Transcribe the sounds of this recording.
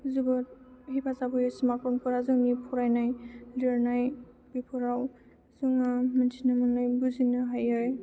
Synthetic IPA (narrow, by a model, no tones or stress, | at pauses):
zubɔt̚hipʰazabʰɔjɔsimakɯŋpʰuɾazuŋnipʰɔɾajnajliɾnaj | b̥ipʰɔɾaw | zuŋamansʰinamɯnːajbuzinɯɦajaj